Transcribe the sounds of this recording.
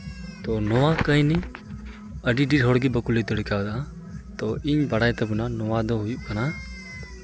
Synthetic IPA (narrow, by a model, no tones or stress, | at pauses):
t̪ɔnɔwakəj̃ni | əɖiɖiɖɦɔɽɡibəkulit̪əɽkawd̪aʔã | t̪ɔiɲbɐɽajt̪ɛbunanɔwad̪ɔɦujuʔkana